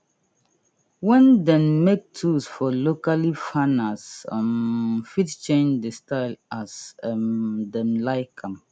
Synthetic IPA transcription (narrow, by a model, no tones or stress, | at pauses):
wɛ̃ndɛ̃nmek̚tʰusfɔlokalifãnasmfitt͡ʃẽnd͡ʒdestʰaɪlasmdɛ̃nlaɪkʰãm